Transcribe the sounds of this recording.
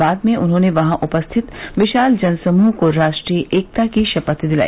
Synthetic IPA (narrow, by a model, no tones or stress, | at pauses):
aːd̪mẽʔʊnɦõːneʋɐɦãʔʊpəst̪ʰɪt̪ʋɪʃaːld͡ʒɐnsɐmuːɦkoɾaːʃʈɾiʔeːk̚t̪akiʃɐpət̪d̪ɪla̰ːi